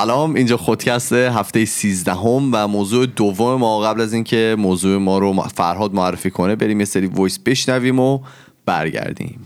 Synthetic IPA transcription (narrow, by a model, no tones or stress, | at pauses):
sælɒːmind͡ʒɒːxod̪̥cʰæst̪eɦæft̪e̞jesiːzd̪æɦomvæmoːzuːed̪ovːomemɒːɣæblæziːncʰe̞moːzuːemɒːɾofæ̰ɾɦɒːd̪̚moærːefiːkʰonebe̞ɾiːmje̞seɾiːvojsb̥e̞ʃnæviːmo | b̥æ̰ɾɟæ̰ɾd̪ḭːm